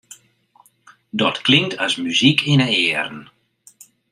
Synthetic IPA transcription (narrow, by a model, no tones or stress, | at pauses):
dɔtklɪŋtasmyzikʰɪnəɪəɾən